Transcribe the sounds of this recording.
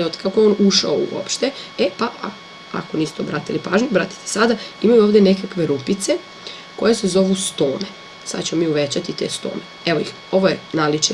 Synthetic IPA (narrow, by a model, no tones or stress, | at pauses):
ot̪kakojeonuʃa̰oṵo̰pʃt̪eepaa | a̰ko̞nist̪obɾat̪ilipaːʒɲubɾat̪i̥t̪e̥sad̪aimajuoːʋd̪ene̞kakʋe̞ɾupit̪se | ko̞jesezo̞ʋust̪o̞ːne̞ | sa̰d̪t͡ɕemomiːuʋet͡ɕat̪it̪e̞̰ːst̪o̰ːne̞ | e̞ʋojix | o̞ʋojenalit͡ʃe